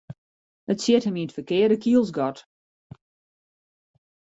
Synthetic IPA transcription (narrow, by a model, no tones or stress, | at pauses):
ətsjɪthəminətfəkɪədəkʰiəlˠsɡɔt